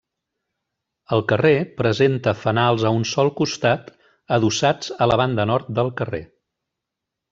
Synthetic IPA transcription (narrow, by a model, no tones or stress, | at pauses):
əlˠkərepɾəzent̪əfənalˠzəunsɔlˠkust̪at̪ | əðusad͡zələβ̞and̪ənɔɾt̪̚d̪əlˠkərḛ